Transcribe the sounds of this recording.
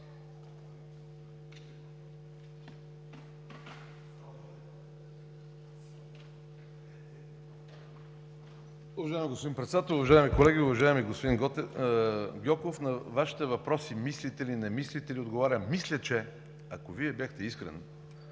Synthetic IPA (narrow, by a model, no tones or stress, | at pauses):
ʊvɐʒaɛmiɡospod̪inpɾɛt̪sɛd̪at̪əlʊvɐʒaɛmikolɛɡʲiʊvɐʒaɛmiɡospod̪inɡ̪ | ɡʲɔkofnɐvaʃi̥t̪ɛvɐpɾɔsimislit̪ɛlinɛmislit̪ɛliod̪ɡovaɾʲəmislʲət͡ʃɛ | ɐkoviɛbjaxt̪ɛiskɾɛ̰n